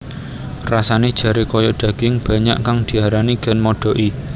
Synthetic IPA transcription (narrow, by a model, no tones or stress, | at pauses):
rasaned̥ʒ̥ä̤ɾekɔjɔɖ̪̥ä̤ɡ̥ɪŋb̥ä̤ɲa̰ʔkaŋd̪̥i̤aɾaniɡ̥a̤nmɔɖ̥ɔ̤ʔi